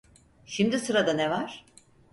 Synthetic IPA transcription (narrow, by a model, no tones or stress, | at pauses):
ʃimd̪isɯɾad̪anevaɾ̥